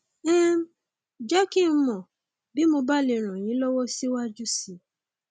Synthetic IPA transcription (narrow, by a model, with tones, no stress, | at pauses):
ɛ˦ | d͡ʒɛ˦ki˦m̩˦mɔ̃˨ | bi˦mo˧ba˦˨le˧˨ɾ̃ã˨j̃ĩ˨˦lɔ˦wɔ˦si˦wa˦d͡ʒu˦si˦˨